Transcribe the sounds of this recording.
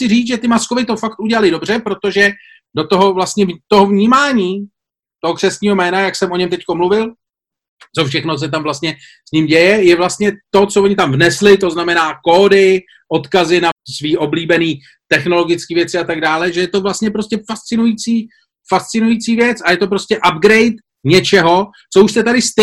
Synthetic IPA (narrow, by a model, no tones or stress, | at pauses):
ɪriːt͡sʒɛt̪ɪmaskovɪt̪o̞fakt̪ʔuɟɛlalɪdo̞br̝ɛpɾo̞t̪o̞ʒɛ | do̞t̪o̞ɦo̞vlast̪ɲɛvt̪o̞ɦovɲiːmaːɲiː | t̪o̞ɦokr̥ɛsɲiːɦo̞mɛːnajaksɛmʔo̞ɲɛmt̪ɛcko̞mluvɪl | t͡so̞fʃɛxnos̬ɛt̪amvlast̪̚ɲɛ | sɲɪmɟɛjɛjɛvlast̪ɲɛt̪o̞t͡sovoɲɪt̪amvnɛslɪt̪o̞znamɛnaːko̞ːdɪ | ʔo̞t̪kazɪnasviːʔo̞bliːbɛniː | t̪ɛxno̞lo̞ɡɪt͡skiːvjɛt͡sɪat̪aɡdaːlɛʒɛjɛt̪o̞vlast̪ɲɛpɾo̞scɛfast͡sɪnujit͡siː | fast̪t͡sɪnujit͡siːvjɛt͡sajɛt̪o̞p̬ɾoscɛʔabɡɾɛjt̪ | ɲɛt͡ʃɛɦo̞ | t͡souʃsɛt̪adɪst̪